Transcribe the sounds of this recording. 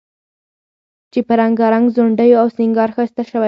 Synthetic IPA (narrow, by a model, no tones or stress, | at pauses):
t͡ʃepəɾaŋɡɑɾaŋɡzoɳɖəjoawsɪŋɡɑɾxəst̪aʃəwa